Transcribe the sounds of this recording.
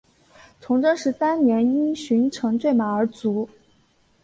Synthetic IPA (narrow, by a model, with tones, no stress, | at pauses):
t͡sʰʊ˧˥ŋʈ͡ʂɤ˥ŋʂɻ̩˧˥sa˥nnjɛ˧˥ni˥nɕy˧˥nʈ͡ʂʰɤ˧˥ŋt͡swe˥˩ɪma˨˩ə˞˧˥t͡su˧˥